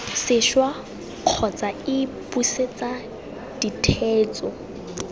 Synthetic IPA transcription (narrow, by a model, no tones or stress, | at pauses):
sɪʃwa | q͡χʰɔt͡sʼaɪpʼuset͡sʼa | d̥itʰeːt͡sʼɔ